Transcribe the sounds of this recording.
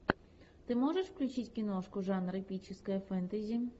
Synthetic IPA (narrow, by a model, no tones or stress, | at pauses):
t̪ɪmɔʐeʃwklʲʊt͡ʃɪtʲkʲinɔʂkʊʒɑnɾɪpʲit͡ʃɪskɔjifɛnt̪ezʲi